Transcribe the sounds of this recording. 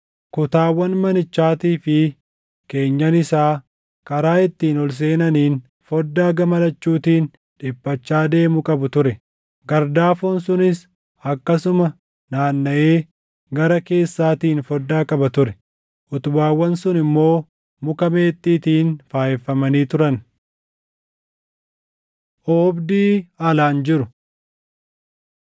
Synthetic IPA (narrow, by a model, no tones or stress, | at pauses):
kʊt̪aːwːɐnmɐnɪt͡ʃːaːt̪iːfɪ | ke̞ːɲːɐnɪsaː | kʼɐɾaːɪt̪ːiːnɔls̬e̞ːnɐniːn | fɔd̪ːaːɡɐmɐlɐt͡ʃːuːt̪iːn | ᶑɪpːɐt͡ʃːaːd̪e̞ːmʊkʼɐbʊt̪ʊɾɛ | ɡɐɾd̪aːfoːnsʊnɪs | ɐkːɐsʊmɐ | naːnːɐʔe̞ː | ɡɐɾɐke̞ːsːaːt̪iːnfɔd̪ːaːkʼɐbɐt̪ʊɾɛ | ʔʊt̪ʊbaːwːɐnsʊnɪmːo̞ː | mʊkɐme̞ːt̪ʼːiːt̪iːnfaːjɛfːɐmɐniːt̪ʊɾɐn | ʔoːbd̪iːaːlaːnd͡ʒɪɾʊ